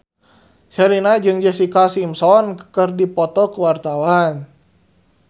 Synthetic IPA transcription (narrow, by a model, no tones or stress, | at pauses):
sɛɾinad͡ʒɨŋd͡ʒəsikasimsɔnkə̥kərdipɔt̪ɔkuwart̪awan